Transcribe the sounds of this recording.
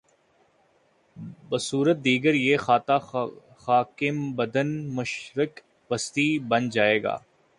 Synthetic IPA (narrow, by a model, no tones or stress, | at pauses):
bəsuːɾət̪̚d̪iːɡəɾjeːxaːt̪a | xaːkɪmbɐd̪ənmʊʃɾɪk | ʋɐst̪ibɐnd͡ʒaːeːɡa̰ː